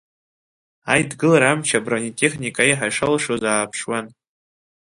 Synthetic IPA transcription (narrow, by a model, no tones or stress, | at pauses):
ajdɡɨlaɾamt͡ʃʰabranitʼe̞χnʲikʼaiħajʂalʂozaːpʰʂwan